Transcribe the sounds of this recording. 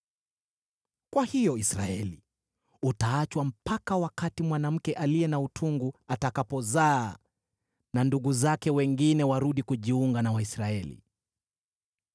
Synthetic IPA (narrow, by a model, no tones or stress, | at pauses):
kwahijɔisɾa̰ɛlḭ | utaat͡ʃwam̩pakawakatimwanam̩kɛʔaliɛnautʰuŋɡuatakapɔzaː | nanduɠuzakɛwɛŋɡinɛwaɾuɗikuʄiuŋɡanawaisɾaɛlḭ